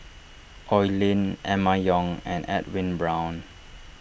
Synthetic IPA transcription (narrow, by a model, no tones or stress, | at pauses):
ʔɔjlĩnɛmajɔ̃ŋɛ̃nɛ̰t̚wĩnbɹãw̃n